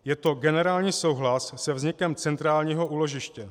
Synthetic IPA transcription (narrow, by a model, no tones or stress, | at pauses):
jɛt̪o̞ɡɛnɛɾaːlɲiːso̞wɦlasːɛvzɲɪkɛmt͡sɛnt̪ɾaːlɲiːɦo̞ʔuːlo̞ʒɪʃcɛ